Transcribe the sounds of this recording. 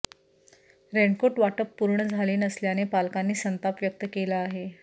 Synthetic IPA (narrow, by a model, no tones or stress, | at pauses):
ɾeɳɖkoʈʋaʈəpːuɾɳəd͡zʱaliːnəsljanepalkanːiːsənt̪apʋjək̚t̪əkelaːɦe